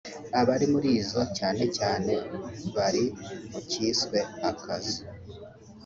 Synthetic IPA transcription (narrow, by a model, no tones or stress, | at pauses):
aβaɾimuɾiːzo̞caːne̞caːne̞βaɾiuciːskwe̞akʰazi